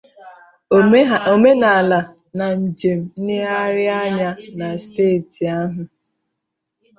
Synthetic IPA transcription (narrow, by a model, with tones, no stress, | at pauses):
o˨me˦na˨la˨ | na˨n̩˨d͡ʒe˨m̩˨n̩˦nɪ˦a˦ɾɪ˦a˦ɲa˦na˨steː˦˨ti˨a˦ɦʊ˨